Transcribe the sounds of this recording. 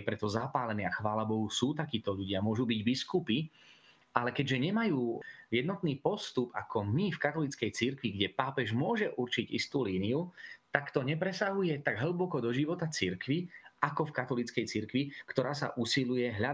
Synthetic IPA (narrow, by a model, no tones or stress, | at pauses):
pɾɛt̪ɔzapaːlɛniaxʋaːlabɔɦusuːt̪akiːt̪ɔʎuɟɪamʊɔʒubiɟbiskupi | alɛkɛɟʒɛɲɛmajuːjɛd̪nɔt̪niːpɔst̪upa̰kɔmifkat̪ɔlit͡skɛjt͡siɾkʋiɡɟɛpaːpɛʒmʊɔʒɛʔuɾt͡ʃiɟist̪uːliːniut̪akt̪ɔɲɛpɾɛsaɦujɛt̪aɡɦl̩bɔkɔd̪ɔʒiʋɔt̪at͡siɾkʋiʔakɔfkat̪ɔlit͡skɛjt͡siɾkʋikt̪ɔɾaːsa̰ʔusilujɛɦʎa